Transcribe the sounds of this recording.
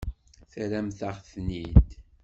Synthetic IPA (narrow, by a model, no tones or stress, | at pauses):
θɾæmθaʁθnit̪